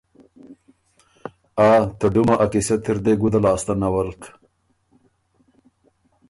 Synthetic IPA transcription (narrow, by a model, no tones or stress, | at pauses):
aːt̪ɐɖumaʔakiset̪ʰiɾd̪eɡud̪ɐlaːst̪ɐnɐwɐlk